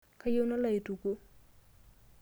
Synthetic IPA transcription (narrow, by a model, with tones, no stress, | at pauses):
ka˦jo˦na˦la˦˨i˨tu˨ko˦